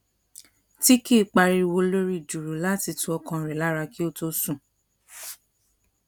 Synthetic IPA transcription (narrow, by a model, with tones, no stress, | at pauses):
ti˦ki˦˨k͡pa˧ɾi˧i˧wo˧lo˦ɾi˦˨d͡ʒu˨ɾu˨la˦ti˧tu˧˦ɔ˧kã˧˨ɾɛ˨la˨˦ɾa˧ki˦o˦to˦sũ˦˨